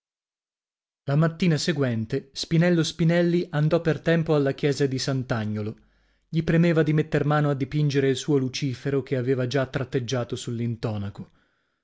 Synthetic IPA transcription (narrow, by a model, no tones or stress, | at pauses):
lamat̪ːiːnaseɡwɛnt̪espinɛlːospinɛlːiʔand̪ɔpːert̪ɛmpoalːak̟jɛːzad̪isant̪aɲːolo | ʎipɾemeːvad̪imet̪ːermaːnoad̪ːipind͡ʒeɾeilsuːolut͡ʃiːfeɾokeaveːvad͡ʒat̪ːɾat̪ːed͡ʒːaːt̪osulːint̪ɔːnako